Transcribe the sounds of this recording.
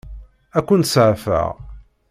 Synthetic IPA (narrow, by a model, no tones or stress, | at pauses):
ækʷːənsʕfə̰ʁ